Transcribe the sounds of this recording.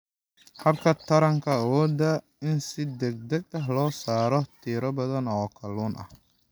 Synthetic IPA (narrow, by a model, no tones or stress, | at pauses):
hɐbkʰɐt̪ʰɐɾɐŋkʰɐːwɔːd̪ɐ | ɪnsɪd̪ɛɡ̚d̪ɛɡ̚ɐɦlɔːsaːɾɔt̪ʰiːɾɐbɐðɐnɔːkʰɐluːnʔɐ̰h